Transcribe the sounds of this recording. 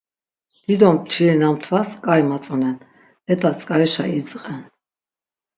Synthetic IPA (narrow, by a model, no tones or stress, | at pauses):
d̪̥id̪ɔmt̪ʰiɾinamt̪ʰvaskʼajmat͡sʼɔnɛn | ɛt̪ʼat͡sʼkʼaɾɛʃaid͡zqʼɛn